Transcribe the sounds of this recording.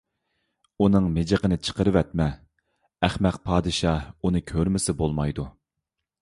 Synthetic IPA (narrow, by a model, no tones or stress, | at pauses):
unɨŋmɪd͡ʒəqənɨt͡ʃʰə̥qəɾɨwɛt̪̚mɛ | æχmɛqpʰɑːd̪ɨʃɑunɨkʲʰøɾmɪsɪbolˠmɑjd̪u